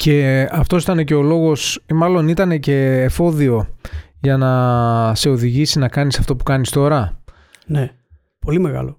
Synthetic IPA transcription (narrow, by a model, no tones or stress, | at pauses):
ce̞ɐft̪o̞si̥t̪ɐne̞ce̞o̞lo̞ɣo̞smɐlo̞nit̪ɐne̞ce̞ːfo̞ðio̞ | ʝɐnɐse̞o̞ðiʝisinɐkɐnisɐft̪o̞pu̥kɐnist̪o̞ɾɐ | ne | po̞limeɣɐ̰lo